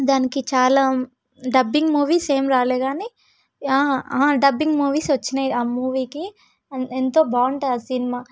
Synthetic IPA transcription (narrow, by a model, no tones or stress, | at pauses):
d̪aːnikit͡ʃaːlaː | ɖɐbːiŋɡmuːʋiːse̞ːmɾaːleːɡaːniː | aːaːɖɐbːiŋɡmuːʋiːsʋɐt͡ʃːinɐjaːmuːʋiːki | ɐent̪o̞ːbaːɳɖasinimaː